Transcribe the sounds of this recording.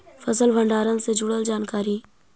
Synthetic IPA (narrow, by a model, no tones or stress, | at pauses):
fʰəsəlʋə̃ɳɖaːɾə̃nsed͡ʒʊɽəld͡ʒaːnkaːɾiː